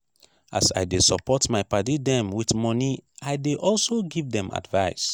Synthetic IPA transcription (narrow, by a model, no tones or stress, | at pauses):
a̰sa̰ɪdesɔpɔtmaɪpadidɛ̃mwitmɔniaɪdeʔɔlsoɡivdɛ̃ma̰dvaɪs